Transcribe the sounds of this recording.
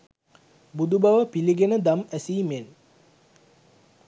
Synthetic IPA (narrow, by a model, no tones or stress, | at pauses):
bud̪ubaʋəpiliɡenəd̪amæsiːmen